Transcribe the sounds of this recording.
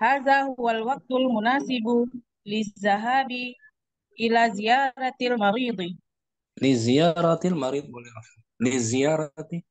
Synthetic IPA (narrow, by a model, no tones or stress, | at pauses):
haːðaːhʊwalwɑq̚t̪ʊlmʊnaːsɪb | lɪzːaɦaːbi | ʔɪlaːzɪjɑːɾˤɑlmɑɾiːd̪ˤ | lɪzɪjɑɾˤɑlmɑɾiːd̪ˤwlɾ | lɪzɪjɑːɾˤ